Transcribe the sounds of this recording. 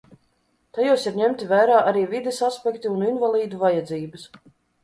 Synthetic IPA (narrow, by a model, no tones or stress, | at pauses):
t̪ajuɔsiɾɲɛmt̪ivæːɾaːʔaɾiːvid̪ɛsaspɛkt̪iuninvalˠiːd̪uvajad̪ziːbəs